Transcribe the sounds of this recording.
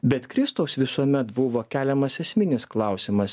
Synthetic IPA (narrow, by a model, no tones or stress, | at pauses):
bʲɛt̪kɾʲɪst̪oʊsʋʲɪsuɔmʲɛt̪bʊʋoːkʲæːlʲɛmɐsɛsʲmʲɪnʲɪsklˠɑˑʊsʲɪmɐs